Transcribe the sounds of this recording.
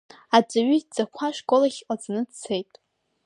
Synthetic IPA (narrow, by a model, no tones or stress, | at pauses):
ad͡ʒʷʼaɥʏd͡z̥akʷʰaʂkʼolaχʲqʼad͡znɨdt͡sʰejtʼ